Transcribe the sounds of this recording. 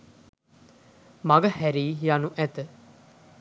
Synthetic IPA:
maɡəhæɾiːɦijanuʔæt̪ə

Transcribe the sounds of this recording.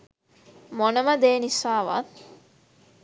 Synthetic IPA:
monəməd̪eːnisaːʋa̰t̪

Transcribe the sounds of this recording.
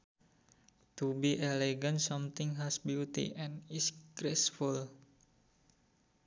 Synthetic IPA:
t̪ubiʔɛleɡənsɔmt̪iŋɦɛsbjut̪ḭʔɛ̃nisɡɾesful

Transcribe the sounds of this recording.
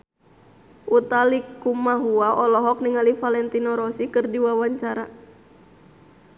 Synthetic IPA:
ʔut̪alikumaɦuaʔɔlɔɦɔk̚niŋalifalɛnt̪inɔɾɔsikɨrdiwawaɲt͡ʃaɾa

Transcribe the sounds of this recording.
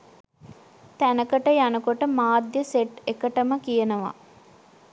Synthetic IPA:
t̪ænəkəʈəjanəkoʈəmaːd̪jəseʈekəʈəməkijənəʋa̰

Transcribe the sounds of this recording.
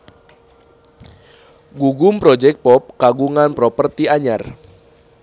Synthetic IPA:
ɡuɡumpɾɔd͡ʒɛk̚t̪̚pɔp̚kaɡuŋanpɾɔpərt̪iaɲar

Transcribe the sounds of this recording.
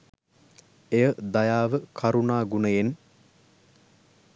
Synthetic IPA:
ejəd̪ajaːʋəkʰɐɾunaːɡunəjen

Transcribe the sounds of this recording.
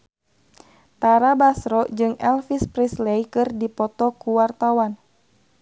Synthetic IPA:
t̪aɾabasɾɔd͡ʒɨŋɛlfispɾislɛjkɨrdipɔt̪ɔkuwart̪awan

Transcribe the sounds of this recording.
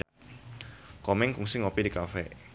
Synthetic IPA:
kɔmɛŋkuŋsɪŋɔpidikafɛ

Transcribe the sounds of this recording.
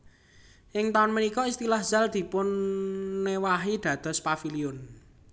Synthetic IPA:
ʔɪŋt̪aʊnmənikɔist̪ilahz̥a̤ld̪̥i̤pʊnː | ewaɦid̪̥ä̤d̪̥ɔ̤spafiliʊn

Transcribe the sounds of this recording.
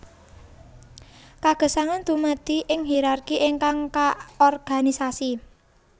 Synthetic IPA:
kaɡ̥ə̤saŋant̪umət̪iʔɪŋɦiɾarkiʔɪŋkaŋkaɔrɡ̥a̤nisasi

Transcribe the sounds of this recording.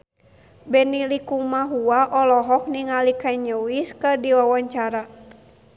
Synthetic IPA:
bɛnilikumaɦuaʔɔlɔɦɔk̚niŋalikaiɲəwiskɨrdiwawaɲt͡ʃaɾa

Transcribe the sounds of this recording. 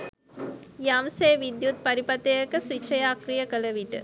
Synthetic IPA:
jamseːʋid̪jut̪̚paɾipat̪ejəkəsʋit͡ʃəjaːkrijəkələʋiʈə̰

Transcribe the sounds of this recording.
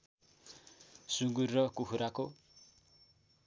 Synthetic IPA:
suŋɡurːʌkukʰuɾako

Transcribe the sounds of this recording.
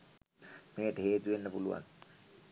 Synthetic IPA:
meːʈəɦeːt̪uʋenːəpuluʋa̰n

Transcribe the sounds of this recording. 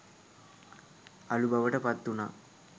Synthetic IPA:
ɐlubɐʋɐʈɐpɐt̪ːuna

